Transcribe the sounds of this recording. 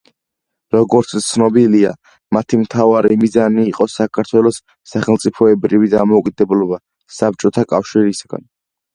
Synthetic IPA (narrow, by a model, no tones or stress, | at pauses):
ɾɔɡɔɾt̪st̪sʰnɔbilia̰ | mat̪ʰimt̪ʰavaɾimizaniːqʼɔsakʰaɾt̪ʰwɛlˠɔsː | aχɛlˠt̪sʼipʰɔɛbɾivid̪amɔukʼid̪ɛblɔba | sap̚t͡ʃʼɔt̪ʰakʼafʃiɾisaɡ̥a̰n